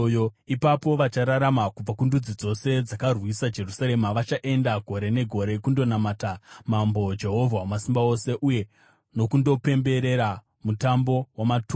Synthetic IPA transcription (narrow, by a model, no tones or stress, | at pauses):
oipapo̞ʋat͡ʃaɾaɾamakub͡vakundud͡zid͡zo̞se̞d͡zakarwisad͡ʒe̞rusaɾemaʋat͡ʃaʔe̞ndaɡʱo̞ɾe̞ne̞ɡʱo̞ɾe̞kundo̞namatamambo̞d͡ʒe̞ɦo̞vʱawamasimbao̞se̞ʔuje̞ | no̞kundo̞pe̞mbe̞ɾe̞ɾa | mutambo̞wamatu